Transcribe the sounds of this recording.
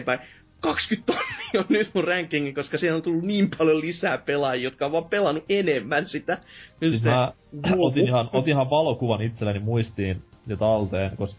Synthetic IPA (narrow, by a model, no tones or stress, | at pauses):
mpæi | kɑkskyt̪t̪onːi̥ːonnyt̪murræŋkːiŋːiŋkoskɑsiːhnont̪ulːunniːmpɑljolisæːpelɑjijot̪kɑoʋɑːmpelɑnuʔenemːænsit̪æmysit̪mæot̪inihɑnot̪inhɑʋʋɑlokuʋɑnit̪selːænimuist̪iːn | net̪ɑlt̪eːnkoskɑ